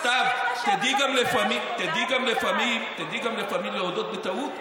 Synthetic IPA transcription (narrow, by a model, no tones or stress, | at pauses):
tabt̪ad̪iɡamlefamit̪ed̪iɡamlefamimt̪ad̪iɡamlefamilleod̪ot̪̚bet̪aut̪